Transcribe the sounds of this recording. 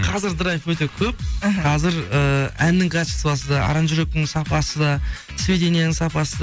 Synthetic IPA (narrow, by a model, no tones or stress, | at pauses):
qʰɑzɪɾd̪əɾɑjɪfwɵt̪e̞kʲʰɵp̚qʰɑzɪɾəænːɪŋkʰat͡ʃi̥st̪vɑsəd̪ɑɑ̰ɾɑnʒʏɾe̞k̚t̪ɪŋsɑpɑsəd̪ɑ | sve̞d̪e̞nijenɪŋsɑpɑsəd̪